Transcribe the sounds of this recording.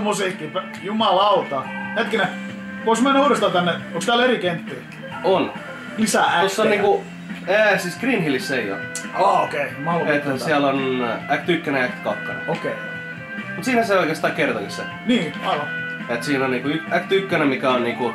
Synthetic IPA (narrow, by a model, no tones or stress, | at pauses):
musiːkːˑip | jumɑlɑut̪ɑhet̪̚kine | koismænːæuːrest̪ɑlt̪ænːeokst̪æːlerikent̪ːiː | on | isææosːoniːŋku | æːsiskriːnhilisːeio̰ɑːokeimɑlet̪hæiælonækt̪ykːøneækt̪kɑkːonḛokeˑi | mut̪siːnhænseoikest̪ɑːkert̪ɑlisːɑ | niːɑlɑ | et̪siːnonniːŋkuyækt̪ykːønemmikæonniːŋku